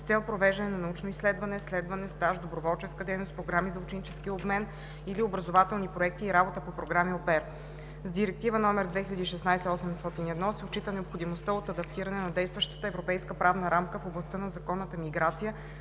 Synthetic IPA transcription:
st̪sɛlˠpɾovɛʒd̪ɐnɛnɐnɐut͡ʃnoisːlɛd̪vɐnɛslɛd̪vɐnɛst̪aʒd̪obɾovɔlˠt͡ʃɛskəd̪ɛjnospɾoɡɾamizɐʊt͡ʃɛnit͡ʃɛsk̟iobmɛn | iliobɾəzovat̪ɛlˠnipɾoɛk̚t̪iːɾabot̪əpopɾoɡɾamiopɛɾ | zd̪iɾɛk̚t̪ivənɔmɛɾd̪vɛxilʎʲɐd̪iːʃɛsnajsɛɔsɛmst̪ɔt̪inɛd̪nɔsɛot͡ʃːit̪ənɛopxod̪imost̪əot̪ɐd̪ɐp̚t̪iɾɐnɛnɐd̪ɛjst̪vəʃt̪ə̥t̪əɛvɾopɛjskəpɾavnəɾamkəfoblˠɐst̪ənɐzɐkɔnːət̪əmiɡɾat̪sijə

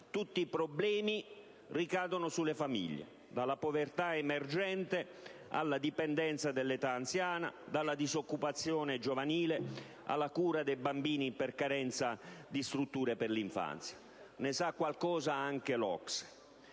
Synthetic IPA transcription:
t̪ut̪ːipɾɔblɛːmi | rikaːd̪onʊsulːefamḭʎːḛ | d̪alːapovert̪aɛmerd͡ʒɛnt̪e | a̰lːad̪ipɛnd̪ɛnt̪sad̪elːet̪aːnt̪sjaːna̰d̪alːad̪izokːupat̪sːjɔːned͡ʒovaniːle | a̰lːakuːɾad̪ɛjbambiːnipɛrkaɾɛnt̪sad̪ist̪ɾut̪ːuːɾepɪrliɱfa̰nt̪sjḁ | nɪsakːwalkɔːzaaŋkelɔ̰ks

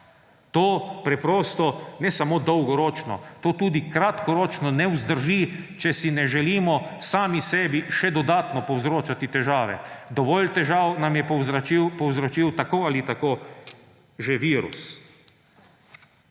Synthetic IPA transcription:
t̪oːpɾɛpɾoːst̪ɔnɛsamoːd̪ɔwɡɔɾɔːt͡ʃnɔ̰t̪oːt̪uːd̪ikɾat̪kɔɾoːt͡ʃnɔnɛwzd̪əɾʒit͡ʃɛsinɛʒɛliːmɔsaːmisɛːbiʃɛd̪ɔd̪aːt̪nɔpɔwzɾoːt͡ʃat̪it̪ɛʒaːʋɛ̰d̪ɔʋɔːlt̪ɛʒaːwnamjɛipɔwzɾɔt͡ʃiːwt̪akoːalit̪akoː | ʒeʋiːɾṵs

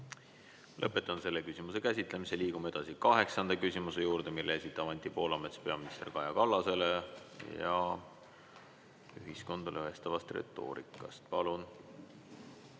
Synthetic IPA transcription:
lʔɤpːˑe̞t̪ːˑɑnse̞lːekysʲimuse̞kæsʲit̪ˑle̞miseliːɡ̥umee̞d̪̥ɑsikɑɦe̞ksɑnd̪̥ɑkysʲimuse̞juːɾd̪e̞milːeesit̪ːˑɑvɑnt̪ːˑipo̞ːlɑme̞t̪spe̞ɑminist̪e̞rkɑjɑkɑlːɑse̞le̞jɑ̰ | yɦisko̞nd̪̥ɑlʔeɦe̞st̪ɑvɑst̪rḛt̪ˑːo̞̰ːɾḭkːˑɑ̰st̪̚pɑlun

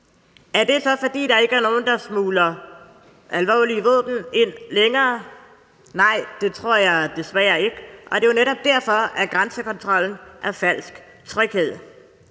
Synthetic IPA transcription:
æɐd̥e̝sɒ̽fɒ̽d̥ḭːd̥ɑ̈e̝ɡ̥əæɐno̝ːn̩d̥ɑ̈smuːlɐ | ælʋɒ̰ːliʋɔ̰̽ːb̥n̩e̝n̰leŋɐː | nɑ̈ɪ̰d̥e̝t͡sʰʁo̝ɐ̰jɑ̈ɪd̥e̝sʋæːɐe̝ɡ̥əʔɒ̽d̥e̝joneɾɒ̽b̥̚d̥æɐ̰fɒ̽æɡ̥ʁansəkʰɒ̽nt͡sʰʁɒ̽l̰n̩ʔæɐfæl̰sɡ̥ | t͡sʰʁœɡ̥he̝ð̞̰ˠ

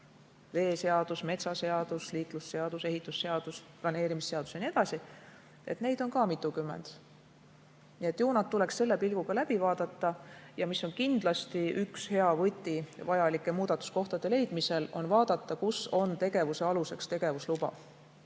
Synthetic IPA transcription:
ve̞ːse̞ɑd̪̥usme̞t̪sɑse̞ɑd̪̥usliːt̪ˑlusːe̞ɑd̪̥use̞ɦit̪ːˑusːe̞ɑd̪̥usplɑne̞ːɾimisːe̞ɑd̪u̥sjɑnie̞d̪ɑsi | e̞̰t̪ne̞jd̪o̞nkɑːmit̪ːˑukymːḛnd̪̥ | nie̞t̪ːˑjuːnɑt̪ːule̞ksse̞lːe̞pilɡ̥uɡ̥ɑlæb̥ivɑːd̪̥ɑt̪ːˑɑjɑmisːo̞nkind̪̥lɑst̪iykshe̞ɑvɤt̪ʲːˑivɑjɑlikːˑemuːd̪̥ɑt̪ːˑu̥sko̞ht̪ɑd̪̥e̞le̞jd̪̥mise̞lo̞̰nvɑːd̪̥ɑt̪ːɑkuso̞nt̪e̞ɡ̥e̞vuse̞ɑluse̞kst̪e̞ɡ̥e̞vuslub̥ɑ̰

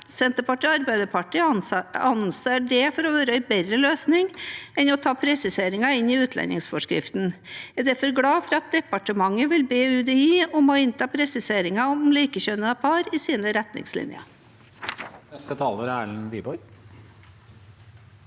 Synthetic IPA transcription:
sɛnt̪əpɑʈiɑɾbæɪd̪əpʰɑʈiːɑnseːɖɛːfɔɾɔʋøːɾɑɪbɛɾɾəløːsnɪŋɛnɔt̪ʰɑːpʰɾɛsɪseːɾɪŋɑɪnːɪʉːt̪lɛ̰nːɪ̰ŋsfɔʂkɾɪ̰ft̪n̩æd̪æɾfɔɾɡɽɑːfɔɾɑt̪̚d̪ɛpɑʈəmɑŋːəʋɪlbeːʉːd̪ɛiːɔmɔɪnt̪ʰɑːpʰɾɛsɪseːɾɪŋɑɔmliːkəçøːnəɑpʰɑːɾɪsiːnəɾɛt̪nɪ̰ŋslɪ̰njɑ̰ | nɛst̪ət̪ʰɑːləɾæːɭnʋiːbɔɾ

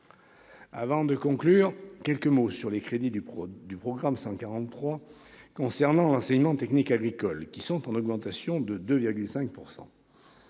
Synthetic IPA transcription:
a̰vɑ̃d̪əkɔ̃klyːʁkʲɛlkəmosyʁlekχed̪id̪ypχɔɡʁamsɑ̃kaʁɑ̃t̪ːχwa | kɔ̃sɛʁnɑ̃lɑ̃sɛɲmɑ̃t̪ɛknikaɡʁikɔlkʲisɔ̃t̪ɑ̃nɔɡmɑ̃t̪asjɔ̃d̪əd̪øviʁɡʲylsɛ̃k̚puʁsɑ̰̃

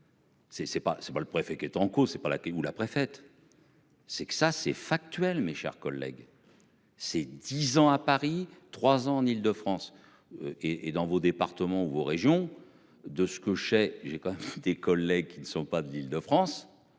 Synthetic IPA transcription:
sɛsɛpasɛpaləpχefɛkʲɛt̪ɑ̃kosɛpala̰kɛulapχefɛt̪ | sɛksasɛfak̚t̪ɥɛlmeʃɛ̰ʁkɔlːɛ̰ɡ | sɛd̪izɑ̃apaʁit̪χwazɑ̃ɑ̃nild̪əfχɑ̃s | øʔeʔed̪ɑ̃vod̪epaʁt̪əmɑ̃uvoʁeʒjɔ̃ | d̪əsə̥kəʒəsɛʒekɑ̃mɛmd̪ekɔlːɛɡ̚kʲinəsɔ̃pad̪əlild̪əfχɑ̃s

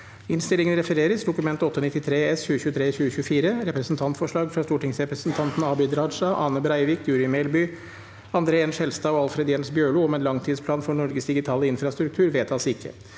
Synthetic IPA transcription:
ɪnst̪ɪlɪŋənɾɛfəɾeːɾəsd̪ʊkʉmɛnt̪ɔt̪ːəɔnɪt̪ːɪt̪ʰɾeːɛsçʉːəçʉːət̪ʰɾeːçʉːəçʉːəfiːɾəɾɛpɾɛsn̩t̪ʰɑnt̪fɔʂɭɑːɡfɾɑst̪uːʈɪŋsɾɛpɾəsnt̪ʰɑnt̪n̩ɑːbʏd̪ɾɑːd̪ʂɑʔɑːnəbɾæɪʋɪkjʉːɾɪmɛɪlbʏː | ɑnd̪ɾeːɛnʂɛlst̪ɑːɔɑlfɾɛd̪jɛnsbjøːɭuːɔmɛːnlɑŋt̪ʰiːd̪spʰlɑːnfɔɳɔɾɡəsd̪ɪɡɪt̪ʰɑːləɪnfɾɑst̪ɾʉk̚t̪ʰʉːɾʋeːt̪ʰɑsɪkʰːə̰

